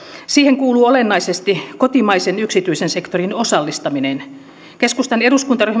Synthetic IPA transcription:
siːheŋkuːluːolenːɑisest̪ikot̪imɑisenyksit̪yisense̞kt̪orinosɑlːist̪ɑminen | keskust̪ɑneduskunt̪ɑryh

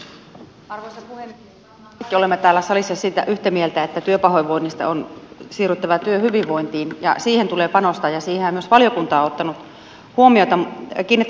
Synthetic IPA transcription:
ɑrʋoisɑpuhem | kːiolemːet̪æːlːæsɑlisːɑsiːt̪æ̰ʔyht̪æmielt̪æet̪ːæt̪yøpɑhojʋːoinːist̪ɑ̰onsiːryt̪ːɑʋɑt̪yøhyʋiʋːoint̪iːnjɑ̰siːhent̪uleːpɑnost̪ɑjɑsiːheæmyøsʋɑljokunt̪ɑːot̪ːɑnut̪ | huomiot̪ɑkiːnːit̪ː

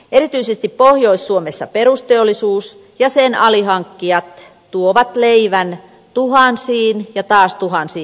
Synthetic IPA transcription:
ʔeɾit̪yisest̪ippohjoisːuomesːɑpeɾust̪eolːˑisuːs | jɑsenɑliɦɑŋkːiɑt̪ | t̪uoʋɑt̪leiʋæn | t̪uhɑnsiːnjɑt̪ɑːst̪uhɑnsiː

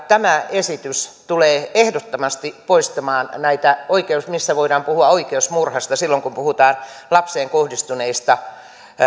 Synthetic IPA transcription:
t̪æmæesit̪yst̪uleːehdot̪ːomɑst̪ipoist̪ɑmɑːnnæit̪æoikeusmisːæʋoidɑːmpuhuɑoikeusmurhɑst̪ɑsilːoŋkumpuhut̪ɑːnlɑpseːŋkohdist̪uneist̪ɑ

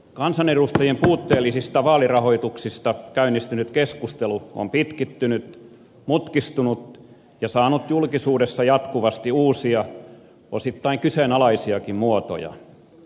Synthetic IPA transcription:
kɑnsɑnerust̪ɑjempuːt̪ːeːlːˑisist̪ɑʋɑːlirɑhoit̪uksist̪ɑkæynːˑist̪ynyt̪keskust̪eluo̰mpit̪kit̪ːynyt̪ | mut̪kist̪unut̪ | jɑsɑːnut̪julkisuːdesːɑjɑt̪kuʋɑst̪iuːsiɑ | osit̪ːɑiŋkysenɑlɑisiɑkimmuot̪o̰jɑ̰

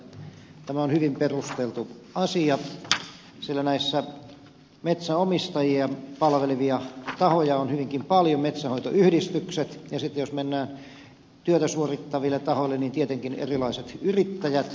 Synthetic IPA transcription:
t̪æmæonhyʋimperust̪elt̪u | ɑsiɑ | silːænæisːæ | met̪sæomist̪ɑjiɑpɑlʋeliʋiɑt̪ɑhojɑonhyʋiŋkimpɑljomet̪sæhoit̪o̰ʔyhdist̪ykset̪jɑsit̪ːejosmenːæːn | t̪yøt̪æsuorit̪ːɑʋilːet̪ɑhoilːeniːnt̪iet̪eŋkinḛrilɑiset̪yrit̪ːæjæt̪

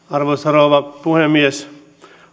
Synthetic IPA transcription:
ɑɾʋosɐɾoːʋɑpuhemːies

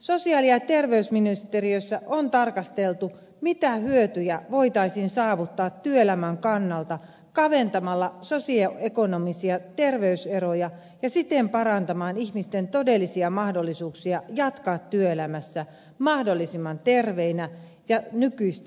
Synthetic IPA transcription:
so̞siɑːliɑt̪e̞rʋe̞ysminist̪eriøsːæʔont̪ɑrkɑst̪elt̪u | mit̪æhyøt̪yjæʋo̞it̪ɑisiːnsɑːʋut̪ːɑːt̪tyøelæmæŋkɑnːɑlt̪ɑ | kɑʋe̞nt̪ɑmɑlːɑso̞sioekonomisiɑt̪e̞rʋeyseɾojɑ | jɑsit̪empɑɾɑnt̪ɑmɑːniçmist̪ent̪o̞delːisiɑmɑhdo̞lːisuːksiɑjɑt̪kɑːt̪tyøelæmæsːæ | mɑhdo̞lːisimːɑnt̪erʋeinæ | jɑnykyist̪

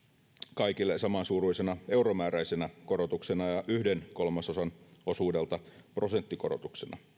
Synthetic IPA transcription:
kɑikilːesɑmɑnsuːruisenɑe̞uromæːɾæisenækoɾot̪uksenɑjɑʔyhdenko̞lmɑsosɑno̞suːde̞lt̪ɑpro̞se̞nt̪ːikoɾo̰t̪uksenɑ̰

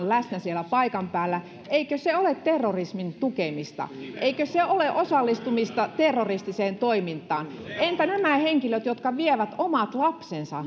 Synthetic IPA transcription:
nlæsnæsielæpɑikɑmpæːlːæ | eikøseolet̪t̪erːorismint̪ukemist̪ɑ̰ʔeikøseoleʔosɑlːist̪umist̪ɑt̪erːorist̪iseːnt̪oimint̪ˑɑːn | ʔent̪ænæmæheŋkiløt̪jot̪kɑʋieʋæt̪omɑt̪lɑpsensɑ̰

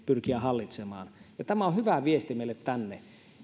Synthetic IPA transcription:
pyrkiæhɑlːit̪semɑ̰ːnjɑt̪æmæohyʋæʋiest̪imeˑilːet̪t̪ænːe

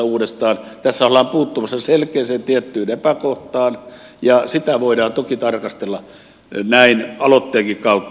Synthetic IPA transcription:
uːdest̪ɑːnt̪æsːæolːɑːmpuːt̪ːumɑsːɑselkeːseːnt̪iet̪ːyːnepækoht̪ɑːn | jɑsit̪æʋoidɑːnt̪okit̪ɑrkɑst̪elːɑ | næinɑlot̪ːeːŋkikkɑut̪ː

